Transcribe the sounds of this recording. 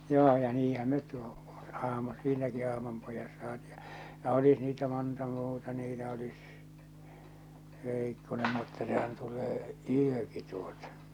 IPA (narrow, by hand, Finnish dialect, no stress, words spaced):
joː jɑ niːhæm met tu ɑhmɑ siːnæki ɑhmɑmpojɑs sɑːti̥ jɑ jɑ olis niːtæ montɑ muːtɑ niːtæ olis ʋeˑikːonem mutːɑ sehæn tulˑeː yøki tuotɑ̥